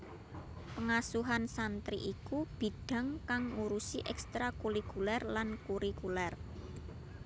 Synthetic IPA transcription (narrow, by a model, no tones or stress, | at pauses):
pəŋasuɦansant̪ɾiʔikub̥i̤ɖ̥ä̤ŋkaŋuɾusiʔɛkst̪ɾakuɾikulɛrlankuɾikulɛr